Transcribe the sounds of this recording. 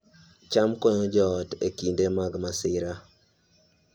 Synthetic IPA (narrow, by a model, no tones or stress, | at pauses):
t͡ʃamkɔɲɔd͡ʒɔːtekindemaɡmasɪɾa